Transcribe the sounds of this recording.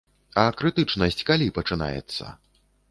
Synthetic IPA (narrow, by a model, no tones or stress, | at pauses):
ɐkɾɨt̪ɨt͡ʂnɐsʲt͡sʲkalʲipɐt͡ʂɨna̰jɛ̰t̪sːɐ̰